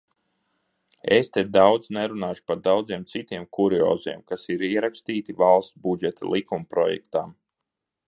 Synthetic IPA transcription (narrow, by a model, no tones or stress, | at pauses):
est̪ɛd̪awd̪znɛɾunaːʃu̥paɾd̪awd̪ziɛmt̪sit̪iɛmkuɾiɔ̰ːziɛmkasiɾiɛɾakst̪iːt̪ivalˠst̪bud͡ʒɛt̪ʰa̰lˠʔikumpɾɔjɛ̰kt̪am